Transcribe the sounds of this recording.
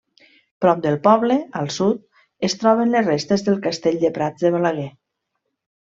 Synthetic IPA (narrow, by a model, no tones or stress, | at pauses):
pɾɔp̚d̪əlˠpɔβleəlˠsut̪̚ | est̪ɾɔβənlezrest̪ezðəlˠkast̪eʎd̪epɾad͡zðəβalaɣ̞ɛ